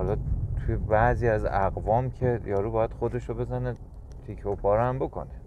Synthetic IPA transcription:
hɒlɒt̪ʰujebæʔziːæzæɣvɒːmcʰejɒːɾuːbɒːjæd̪̥xod̪e̞ʃobe̞zæne | t̪ʰikʰopʰɒːɾæmbokʰo̞̰ne

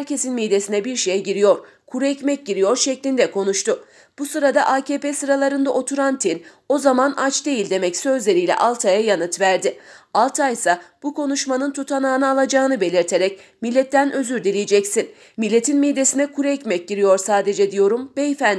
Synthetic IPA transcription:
ɾcʰe̞sinmid̪e̞sinɛbiɾʃejɛɟiɾijo̞ɾ | kʰuɾuɛcmɛc̚ɟiɾijo̞ɾʃɛclʲind̪ɛkʰo̞nuʃt̪ʊ | b̥usɯɾad̪aʔaːcʰeːpeːsɯɾalˠaɾɯnd̪aʔo̞t̪ʰuɾant̪ʰin | o̞zamanʔat͡ʃd̪e̞jilʲd̪e̞mɛcsø̞zlʲe̞ɾijlʲɛ̰ʔalˠt̪ʰajajanɯt̪væɾd̪ɪalˠt̪ʰajsab̥ukʰo̞nuʃmanɯnt̪ʰut̪ʰanaːnɯalˠad͡ʒaːɯnɯbe̞lʲiɾt̪ʰe̞ɾɛcmilʲːɛt̪ʰːænø̞zyɾd̪ilʲijed͡ʒɛcsin | milʲːe̞t̪ʰinmid̪je̞sinɛkʰuɾuɛcmɛc̚ɟiɾijo̞ɾsaːd̪e̞d͡ʒɛd̪ijo̞ɾumbejfæn

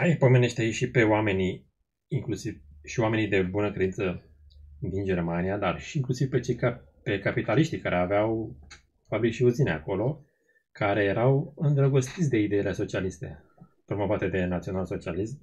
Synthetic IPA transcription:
aipo̞me̞ne̞ʃt̪eajeʃipe̞oame̞ni | iŋklusivʃioame̞nid̪e̞bunəkɾed̪insə | d̪ind͡ʒe̞rmanijad̪arʃiiŋklusiv̥pe̞t͡ʃe̞jkape̞kapit̪aliʃt̪ikaɾʔeaveaw | fabɾikʃiuzinea̰ko̞lo̞ | kaɾe̞je̞ɾawɨnd̪ɾəɡo̞st̪it̪sʲd̪e̞id̪e̞ile̞so̞t͡ʃialist̪e̞̰ | pɾo̞mo̞vat̪e̞d̪e̞nat̪sio̞nalso̞t͡ʃialism

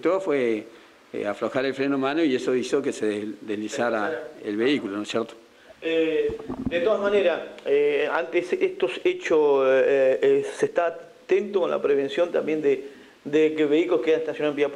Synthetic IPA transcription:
t̪ofwḛ | afɾoxaɾelfɾenomãnoiesoisokeseðd̪ehlisaɾaḛlβeikulonosjɛɾt̪o̥ | ed̪et̪o̞ðazmaneɾaeant̪esest̪oset͡ʃos | sest̪a | t̪e̞nt̪okonla̰pɾeβe̞nsjo̞nt̪ambje̞nd̪e | d̪ekeβeikulohkeaneht̪asjonaembiap

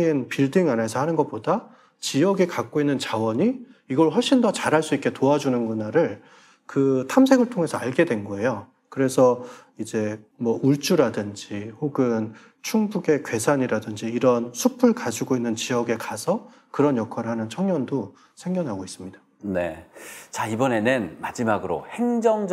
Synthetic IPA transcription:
npiɭdiŋane̞sʰʌhanɯnɡʌt̚p͈oda | t͡ɕiʌɡekak͈̚oinːɯnt͡ɕawʌɲiiɡʌɭɸʌɭɕ͈indʌt͡ɕaɾɦaɭs͈uik͈etoad͡ʑunɯnɡunaɾɯɭ | kɯtʰamsʰe̞ɡɯɭtʰoŋɦe̞sʰʌaɭɡe̞dwe̞nɡʌe̞jo | kɯɾe̞sʰʌ | id͡ʑe̞ | mwʌuɭt͡ɕ͈uɾadɯnd͡ʑihoɡɯn | t͡ɕʰuŋbuɡe̞kwe̞sʰaɲiɾadɯnd͡ʑiːɾʌnsʰupʰuɭkad͡ʑiɡoinːɯnt͡ɕiʌɡe̞kasʰʌ | kɯɾʌnjʌkʰaɾɯɭɦanɯnt͡ɕʰʌŋɲʌndo | sʰe̞ŋɡjʌnɦaɡois͈ɯmɲid̥ḁ | ne̞̰t͡ɕaibʌne̞nɯnmad͡ʑimaɡɯɾo̰heŋd͡ʑʌŋd͡ʑ

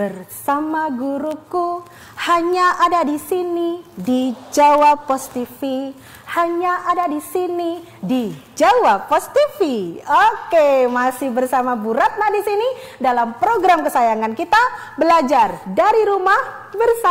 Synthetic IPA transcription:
bərsamaɡuɾuku | haɲaʔadadisinidid͡ʒawapːɔst̪ifi | haɲaʔadadisini | did͡ʒawapːɔst̪ifiokemasɪhbərsamabuɾat̪̚lahdisini | dalampɾoɡɾamkəsajaŋankit̪abəlad͡ʒardaɾiɾumah | bərsa

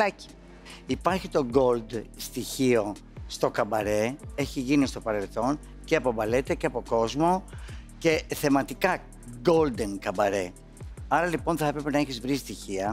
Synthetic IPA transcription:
ɐci̥ | ipɐɾçit̪o̞ɡo̞ld̪st̪içio̞ | st̪o̞kɐbɐɾe̞e̞çiʝinist̪o̞pɐɾe̞lθo̞n | ce̞ɐpo̞bɐle̞t̪eceɐpo̞ko̞zmo̞ce̞θe̞mɐt̪ikɐ | ɡo̞ld̪e̞nkɐbɐɾe̞ | ɐɾɐlipo̞nθɐe̞pɾepenɐeçizvɾist̪içiɐ

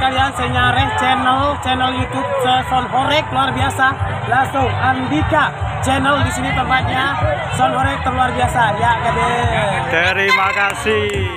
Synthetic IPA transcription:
kaliansaɲaɾɛht͡ʃɛnəlt͡ʃɛnəljut̪ʊb̚səsɔnɦɔɾɛk̚luarbiasa | lasoŋʔandikat͡ʃɛnəldisinit̪əmpat̪̚ɲa | sɔnhɔɾɛk̚t̪ərluarbiasajakadɛt̪əɾimakasih

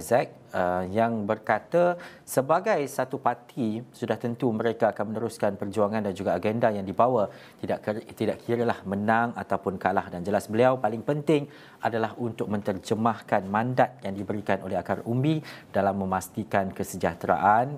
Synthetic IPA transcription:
zɛk̚ | əjaŋbərkat̪a | səbaɡajsat̪upat̪ʰisudaht̪ənt̪umə̃ɾekaːkanmənəɾuskanpərd͡ʒuaŋãndand͡ʒuɡaːɡɛndajaŋdibawa | t̪idaʔkt̪idaʔkʰiɾəlahmənãŋat̪awpʊnkalahdand͡ʒəlasbəliawpalɪŋpənt̪ɪŋ | adalaɦunt̪ʊk̚mə̃nt̪ərd͡ʒəmahkanmãndat̪̚jaŋdibəɾikanʔoleɦakarʔumbid̥alamːə̃mast̪ikankəsəd͡ʒat̪ɾa̰ʔan

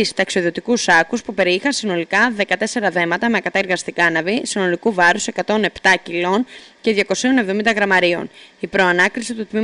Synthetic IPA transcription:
ist̪ɐksio̞ðiot̪ikusɐkuspupe̞ɾixɐnsino̞likɐðe̞kɐt̪e̞se̞ɾɐðe̞mɐt̪ɐme̞ɐkɐt̪ɐeɾɣɐst̪ikɐnɐvisino̞likuvɐɾuse̞kɐt̪o̞ne̞pt̪ɐcilo̞nce̞ðʝɐko̞sio̞nevðoind̪ɐɣɾɐmɐɾio̞̰nipɾo̞ɐnɐkɾisit̪ut̪mi

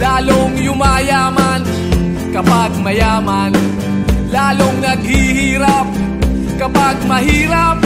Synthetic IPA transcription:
laːloŋjʊmajaːman | kɐpaɡ̚mɐjaːman | laːloŋnɐɡ̚hɪhiːɾap̚ | kɐpaɡ̚mɐɦiːɾap̚

